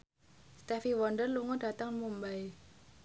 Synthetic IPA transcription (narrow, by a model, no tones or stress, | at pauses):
st̪ɛfiwɔndərluŋɔd̥a̤t̪aŋmumbai